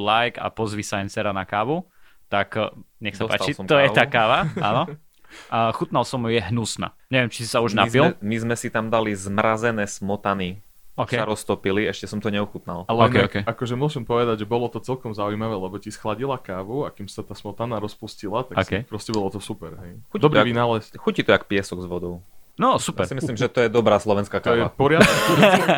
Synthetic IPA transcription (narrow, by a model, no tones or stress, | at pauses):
lajka̰pɔzʋisaajnt͡ssɛɾanakaːʋu | t̪akɲɛxsapa̰ːt̪t͡ʃlisɔmkt̪ɔjjɛːt̪aːkaːʋaanɔ | xut̪nalˠsɔmjɛɦnusna̰ɲɛʋjɛmt͡ʃisi̥sauʒnapilˠmizmɛsit̪amd̪alizmɾazɛnɛːsmɔt̪ani | ksaɾɔst̪ɔpiliɛʃcɛsɔmt̪ɔɲɛuxut̪na̰lalɔkɛkɛakɔʒɛmʊɔʒɛmpɔʋɛd̪aɟʒɛbɔlɔt̪ɔt͡sɛlkɔmzaujmaʋɛːlɛbɔcisxlaɟilakaːʋuakimssat̪aːsmɔt̪anaːɾɔspuscilat̪akːkpɾɔscɛbɔlɔt̪ɔsupɛɾɦɛjxucd̪ɔbɾɔiaʋinaːlɛsxucit̪ɔakpɪɛsɔɡzʋɔd̪ɔʊnɔsupjɛɾsimislimʒɛt̪ɔjɛd̪ɔbɾaːslˠɔʋɛnskak̪ajɛapɔɾɪad̪ki